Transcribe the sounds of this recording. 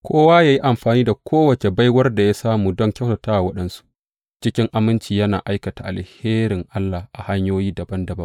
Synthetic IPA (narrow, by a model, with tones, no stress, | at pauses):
kʷʰoː˦waː˦jaː˨ji˦ʔa˨mɸaː˨niː˦da˨kʷʰoː˦wɐ˨t͡ʃe˨ba˦jwɐ˦rda˨jaː˦saː˦muː˨dɔ˦ŋkʲa˦wsa˨taː˦wa˨wɐ˦ɗɐ˦nsu̥˦ | t͡ʃɪ˦kʲɪ˦ŋʔa˨mɪ˦nt͡ʃiː˨jɐ˦na̰ː˨ʔa˦jkɐ˨ta˨ʔa˨lheː˦ɾɪ˨ŋʔa˦lːa˨hʔa˨ha˦ɲjoː˦jiː˦dɐ˨bɐ˦ndɐ˨bɐ˦m